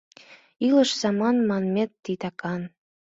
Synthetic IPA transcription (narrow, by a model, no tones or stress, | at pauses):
ilə̆ʃz̥ɑmɑnmɑnmʲet̪ːit̪ɑkɑn